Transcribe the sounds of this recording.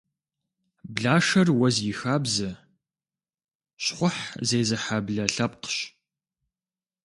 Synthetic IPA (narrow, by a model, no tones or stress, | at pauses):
bɮaːʂɐrwɐzjɪxaːbzɐ | ɕχʷʊħzeːzɨħabɮɐɬɐp̚qə̥ɕ